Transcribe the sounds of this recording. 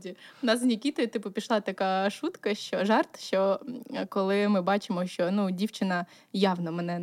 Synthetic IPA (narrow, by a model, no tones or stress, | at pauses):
dʲiʊnɑsnʲikʲit̪ɔjʊt̪ɪpʊpʲiʃlˠɑt̪ɐkɑʃut̪kɐʃt͡ʃɔʒɑrt̪ʃt͡ʃɔkɔlˠɪmɪbɑt͡ʃɪmɔʃt͡ʃɔnudʲiwt͡ʃɪnɐ | jɑwnɔmɛnɛ